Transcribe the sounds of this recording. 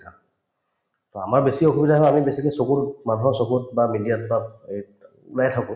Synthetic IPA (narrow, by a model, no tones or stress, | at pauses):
a | tɔa̰maɹbesioxubidʱaɦɛamibesikesokumanɦɔsokut̚bamidijat̚bae | lajtʰakʊ̃